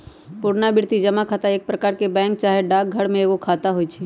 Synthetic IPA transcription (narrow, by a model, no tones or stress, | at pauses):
pʊɽnabɪɽt̪id͡ʒɐmakʰaːt̪aeːk̚pɾɐkaːɾkebɛ̃ːŋk̚t͡ʃaːɦeɖaːk̚ɡʱəɽmẽeːkokʰaːt̪aɦoːit͡ʃʰi